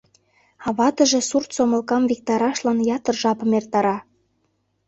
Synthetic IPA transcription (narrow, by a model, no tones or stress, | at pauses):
ɑβɑt̪ə̆ʒĕsurt̪somə̆lkɑmvik̚t̪ɑɾɑʃlɑnjɑt̪ərʒɑpə̆mert̪ɑɾɑ